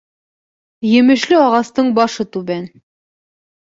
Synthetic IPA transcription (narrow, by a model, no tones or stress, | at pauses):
jɘ̆mɘ̆ʃlɘɒʁɑst̪ɤɴbɒʃɤt̪ʉβæn